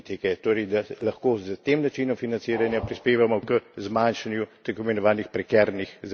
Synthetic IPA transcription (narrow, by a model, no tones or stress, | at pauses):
t̪ikɛt̪oːɾəjd̪alɐxkoːzət̪eːmnat͡ʃiːnɔmfinantsiːɾanjapɾispeːʋamɔkəzmanʃanjut̪akɔmɛnɔʋaːnixpɾɛkɛɾnixz